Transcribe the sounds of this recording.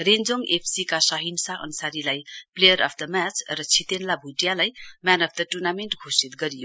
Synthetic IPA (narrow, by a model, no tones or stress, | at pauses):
rend͡zoŋepʰsikasʌɦinsaʔʌ̰nsaɾilajplejʌɾʌpʰd̪ʌmat͡srʌt͡sʰit̪enlabʱuʈjalajmanʌpʰd̪ʌʈurnamenʈɡʱosit̪̚ɡʌɾijo